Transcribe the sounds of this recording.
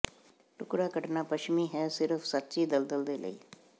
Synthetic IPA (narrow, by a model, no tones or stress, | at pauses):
ʈʊkɾakəʈnapəʃmiɦɛsɪɾfʰsɐt̪ːʃid̪əld̪əld̪eːlə̰ḭː